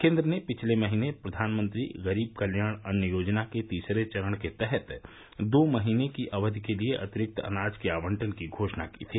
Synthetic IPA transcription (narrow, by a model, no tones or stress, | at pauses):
kẽːnd̪ɾənepɪt͡ʃʰlemɐɦiːnepɾɐd̪ʱaːnmə̃nt̪ɾḭɣɐɾiːb̚kɐljaːɽ̃ɐnjəjoːd͡ʒnaket̪iːsɾet͡ʃɐɾəɽ̃ket̪ɛɦɛt̪ | d̪oːmɐɦiːnekiʔɐʋəd̪ʱkelieʔɐ̰t̪ɪɾɪk̚t̪ɐ̰naːd͡ʒkiaːʋə̃ɳʈənkiɡʱoːʃnakḭːt̪ʰiː